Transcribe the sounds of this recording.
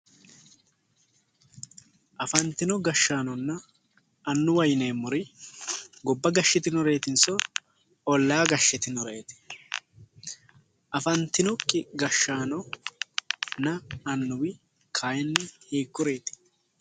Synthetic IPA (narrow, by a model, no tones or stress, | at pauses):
ʔɐfɐnt̪ɪnɔɡɐʃːaːnɔnːɐː | nːʊwɐjnemʊɾɪ | ɡɔbːɐɡɐʃːɪt̪ɪnɔɾe̞ːt̪ɪnsɔ | ɔlːaːɡɐʃːɪt̪ɪnɔɾeːt̪ɪ̥ | ʔɐfɐnt̪ɪnɔkːɪɡɐʃːaːnɔ | nːɐːnːʊwɪ | kʰaːjɛnːɛheːkːʊɾe̞ːt̪ɪ̥